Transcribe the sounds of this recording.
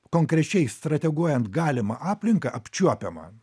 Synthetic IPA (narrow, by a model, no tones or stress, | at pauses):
koŋkɾʲɛt͡ʃʲɛɪst̪ɾɐt̪ʲɛɡuɔjɛnt̪ɡɑːlʲɪmɐʔɑːpʲlʲɪŋkɐʔɐpʲt͡ʃʲuɔpʲɛmɐ̰